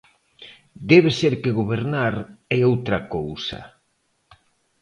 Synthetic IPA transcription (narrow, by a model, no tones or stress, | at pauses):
d̪ɛβ̞eseɾkeɣoβeɾnaɾɛowt̪ɾɐkowsɐ̰